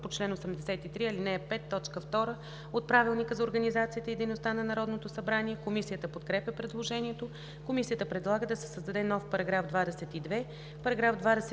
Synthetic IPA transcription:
pot͡ʃlɛnosɛmd̪ɛsɛt̪it̪ɾiɐlinɛːpɛt̪ːɔt͡ʃkəft̪ɔɾə | ot̪̚pɾavilˠnikəzɐoɾɡənizat̪sijət̪əid̪əjnost̪anɐnɐɾɔd̪not̪osɐbɾaniɛkomisijət̪əpot̪kɾɛpʲjɛpɾɛd̪lˠoʒɛniɛt̪o | komisijət̪əpɾɛd̪lˠaɡəd̪ɐsɛ̥səzd̪ɐd̪ɛnɔfpɐɾɐɡɾafd̪vad̪ɛsɛt̪id̪vɛ | pɐɾɐɡɾavd̪vad̪ɛs

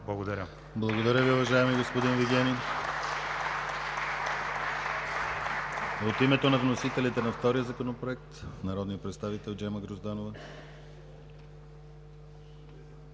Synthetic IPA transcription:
blˠɐɡod̪ɐɾʲə | blˠɐɡod̪ɐɾʲəviʊvɐʒaɛmiɡospod̪inviɡʲɛni | ot̪imɛt̪onɐvnosit̪ɛlit̪ɛnɐft̪ɔɾijəzɐkonopɾoɛk̚t̪nɐɾɔd̪nijəpɾɛt̪st̪avit̪ɛlˠd͡ʒɛməɡɾozd̪anovə

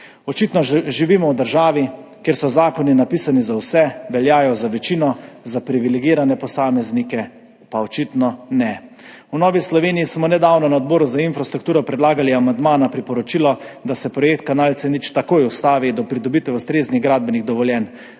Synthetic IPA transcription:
ɔt͡ʃit̪nɔʒiʋiːmɔwd̪əɾʒaːʋi | kjeɾsɔzaːkɔninapisanizawsɛʋɛljaːjɔzaʋɛt͡ʃiːnɔzapɾiʋilɛɡiːɾanɛpɔsaːmɛznikɛ | paɔt͡ʃit̪nɔnɛ | unɔːʋislɔʋeːnijːsmɔnɛd̪awnɔnaɔd̪̚bɔːɾuzainfɾast̪ɾukt̪uːɾɔpɾɛd̪laːɡaliamand̪maːnapɾipɔɾɔt͡ʃilɔd̪asɛpɾɔjek̚t̪̚kanaːlt̪sɛnit͡ʃt̪akojust̪aːʋid̪ɔpɾid̪ɔbit̪ʋɛust̪ɾeːzniɣɡɾad̪̚bɛniɣd̪ɔʋɔljɛn

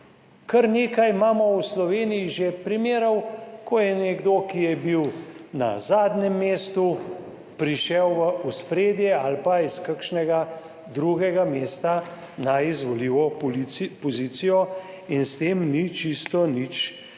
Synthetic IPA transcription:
kəɾneːkajmaːmɔwslɔʋeːnijiʒepɾimeːɾɐwkʰɔjɛnɛɡd̪okijɛbiwna̰zaːd̪nɛmːeːst̪u | pɾiʃɛwʋəʔuspɾeːd̪jɛalpaiskakʃnɛɡa | d̪ɾuɡɛɡameːst̪a | naizʋɔliʋɔ | pɔziːt̪sijɔ | inst̪eːmnit͡ʃist̪ɔnit͡ʃ

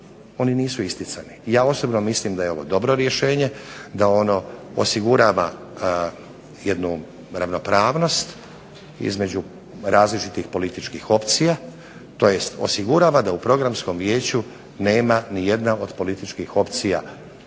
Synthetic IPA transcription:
o̞niniːsuist̪it̪sanijaːo̞sobnomislimd̪ajeo̞ʋo̞̰d̪o̞bɾo̞ɾje̞ʃe̞ːɲe̞d̪ao̞no̞o̰siɡuɾaːʋa | je̞d̪nu | ɾaʋno̞pɾaːʋno̞st̪ | ḭzme̞d͡ʑu | ɾaːzlit͡ʃit̪ixpo̞lit̪it͡ʃkixo̞pt̪sija | t̪o̞je̞st̪o̞̰siɡuɾaʋad̪aupɾo̞ɡɾamsko̞mʋjeːt͡ɕu | ne̞ːmanije̞d̪nao̞d̪po̞lit̪it͡ʃkixo̞pt̪sija

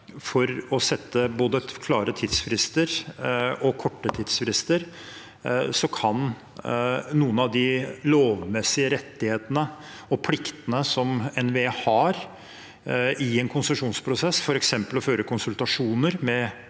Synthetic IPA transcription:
fɔɾɔsɛt̪ʰːəboːd̪əkʰlɑːɾət̪ʰɪd̪sfɾɪst̪əɾ | ɔkʰɔʈːət̪ʰɪd̪sfɾɪst̪əɾ | sɔkʰɑn | nuːənɑʋd̪ɪloːʋmɛsɪəɾɛt̪ːɪheːt̪ənə | ɔpʰlɪkt̪ənəsɔmɛnʋeːhɑɾ | ɪɛnkʰʊnsəʂuːnspʰɾʊsɛsːfɔɾɛksɛmpəlɔføːɾəkʰʊnsʉlt̪ɑʂuːnəɾmɛ

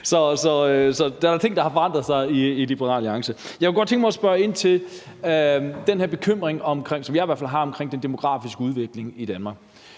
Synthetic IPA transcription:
sɒ̽sɒ̽sɒ̽d̥ææɐt͡sʰe̝ŋnd̥ɑ̈hɑ̈fɒɑ̈n̰d̥ʁɐðˠsɑ̈ɪielib̥eʁɑ̰̈ːliɑ̈ŋsəjɑɪkeɡ̥ɒd̥t͡sʰeŋɡ̥mɑsb̥ɶɐe̝n̰t͡sʰe̝l | d̥enhæɐb̥ekʰøm̰ʁeŋɒ̽mkʰʁeŋ̰sɒ̽mjɑ̈ɪʋæɐfælɦɑ̈ɒ̽mkʰʁeŋ̰d̥end̥e̝mo̝ɡ̥ʁɑ̰̈ːfisɡ̥əuð̞ˠʋe̝ɡ̥le̝ŋid̥ænmɑ̈ːɡ̥

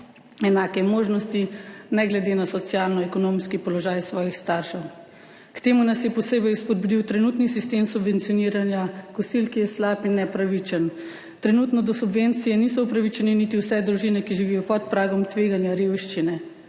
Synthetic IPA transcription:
ɛnaːkɛmoːʒnɔst̪inɛɡlɛd̪enasɔt̪sjalnɔɛkɔnomskipɔlɔʒaːjsʋɔːjixst̪aɾʃɛw | kt̪emunasjɛpɔseːbɛjuspɔd̪̚bud̪iwt̪ɾɛnut̪nisist̪emsubʋɛnt̪sijɔniːɾanjakɔsilkijɛslaːpinːɛpɾaʋit͡ʃən | t̪ɾɛnut̪nɔd̪ɔsubʋent̪sijɛnis̬ɔupɾaʋit͡ʃɛnɛnit̪iwsɛd̪ɾuʒinɛkiʒiʋijɔpɔt̪̚pɾaːɡɔmt̪ʋeːɡanjaɾewʃt͡ʃinɛ

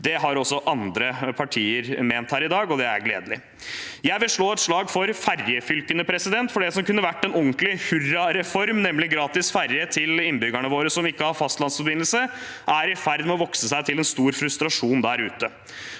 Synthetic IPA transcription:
d̪ɛɦɑɾɔsːɔʔɑnd̪ɾəpʰɑʈʰiːəɾmeːnt̪hæːɾɪd̪ɑːɡɔd̪ɛæ̰ɾɡlḛːd̪əlɪ | jæɪbɪʂɭoːɛt̪ʂɭɑːɡfɔɾfæɾjəfʏlkənəpʰɾɛsɪd̪ɛnt̪fɔɖɛsɔmkʉnːəʋæʈːɛnɔŋklɪhʉɾɑɾɛfɔɾmnɛmːlɪɡɾɑːt̪ɪsfæɾjət̪ʰɪlɪnːbʏɡæɳəʋoːɾəsɔmɪkːəhɑɾfɑst̪lɑnsfɔɾbɪnəlsə | ʔæɾɪfæɾd̪mɛɔʋɔksəsæɪt̪ʰɪlɛnst̪uːɾfɾʉst̪ɾɑʂuːnd̪æɾʉːt̪ə

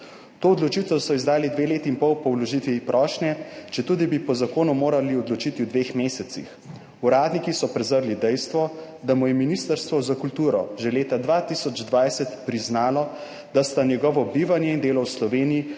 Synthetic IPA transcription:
t̪oːɔd̪lɔt͡ʃit̪ɔsɔizd̪aːlid̪ʋeːleːt̪iimpɔwpɔwlɔʒit̪ʋipɾʔɔːʃnjɛt͡ʃɛt̪uːd̪ibipɔzakoːnumoːɾaliɔd̪lɔt͡ʃit̪iwd̪ʋeːxmeːsɛt̪sḭx | uɾaːd̪nikisɔpɾɛzəɾlid̪ɛjst̪ʋɔ | d̪amɔjɛminist̪əɾst̪ʋɔzakult̪uːɾɔʒɛleːt̪ad̪ʋat̪isɔd͡ʒd̪ʋajsɛt̪pɾiznaːlɔ | d̪ast̪anjɛɡɔʋɔbiːʋanjɛind̪eːlɔwslɔʋeːniji

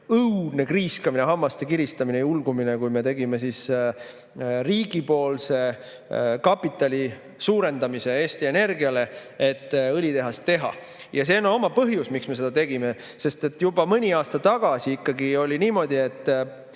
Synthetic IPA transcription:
ɤwd̪̥ne̞kriːskɑmineɦɑmːɑst̪ekiɾist̪ɑminejulɡ̥umine̞kujme̞t̪e̞ɡime̞sis | riːɡ̥ipo̞ːlse̞ | kɑpːˑit̪ːˑɑlʲi | suːɾe̞nd̪ɑmise̞eːst̪ie̞ne̞rɡiɑle̞et̪ːˑɤlʲit̪e̞ɦɑst̪ːe̞ɦɑ̰ | jɑse̞ːnoo̞mɑpɤɦjusmiksme̞se̞d̪̥ɑt̪e̞ɡ̥ime̞ | se̞st̪e̞t̪ːjubɑmɤnʲiɑːst̪ɑt̪ɑɡ̥ɑsiikːɑɡio̞lʲiniːmo̞d̪̥ʲie̞t̪ː

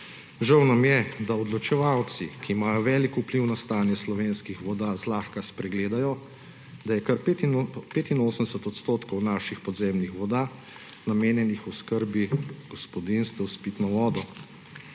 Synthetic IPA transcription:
ʒawnamjɛd̪aɔd̪lɔt͡ʃɛʋawt̪sikiːmaːjɔʋɛːlikupliwnast̪aːnjɛslɔʋeːnskixʋɔd̪aːzlaːxkaspɾɛɡleːd̪ajɔ | d̪ajɛkɐɾpet̪inpeːt̪inoːsənd̪ɛsɛt̪ɔt̪st̪oːt̪kɔwnaːʃixpɔd̪zemnixʋɔd̪a | nameːnjɛnixuskəɾbiɡ̥ɔspɔd̪inst̪ʋɛwspiːt̪nɔʋɔːd̪ɔ

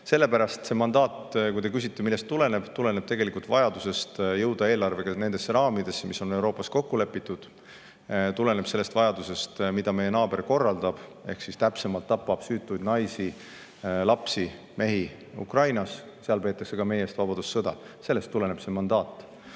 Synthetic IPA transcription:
se̞lːe̞pæɾɑst̪se̞mɑnd̪ɑːt̪kujt̪e̞kysʲit̪ːˑe̞milːest̪ːule̞ne̞b̥t̪ule̞ne̞b̥̚t̪e̞ɡe̞likult̪vɑjɑd̪use̞st̪jɤwd̪ɑe̞ːlɑrve̞ɡ̥ɑne̞nd̪esːɾɑːmid̪̥e̞sːemiso̞ne̞wɾo̞ːpːˑɑsko̞kːule̞pːˑit̪ːud̪̥ | t̪ule̞ne̞b̥se̞lːe̞st̪vɑjɑd̪use̞st̪mid̪̥ɑme̞je̞nɑːbe̞rko̞rːɑld̪̥ɑb̥e̞̰hksist̪æpse̞mɑlt̪ːɑpːˑɑb̥syːt̪ːˑujd̪nɑjsi | lɑpsi | me̞ɦi | ṵkrɑjnɑs | seɑlpe̞ːt̪ːˑɑkse̞ɡ̥ɑme̞je̞st̪vɑbɑd̪̥usːɤd̪̥ɑ̰se̞lːe̞st̪ːule̞ne̞b̥se̞mɑnd̪ɑːt̪ːˑ

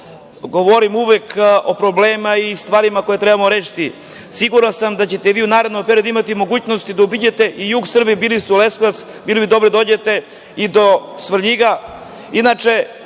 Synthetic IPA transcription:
ɡo̞ʋo̞ɾimuʋeko̞pɾobleːmaist̪vʋaːɾimako̞jet̪ɾebamoɾeːʃi̥t̪i | siɡuɾansamd̪at͡ɕe̞t̪eʋiːunaːɾed̪nompeɾiod̪uimat̪imo̞ɡuːt͡ɕno̞st̪id̪aubid͡ʑet̪e̞ʔijuɡsr̩bibiːlist̪ɛuleskas | biːlibid̪obɾed̪aod͡ʑe̞t̪e̞ | id̪osʋr̩ʎiɡa | inat͡ʂe̞

